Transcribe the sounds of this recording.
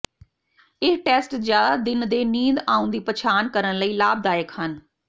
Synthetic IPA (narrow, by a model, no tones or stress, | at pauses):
ɪʈɛːsʈzjaːd̪aːd̪ɪnd̪eːniːd̪ãːũnd̪iːpət͡ʃʰaːnkəɾənləiːlaːb̚d̪aːjəkhən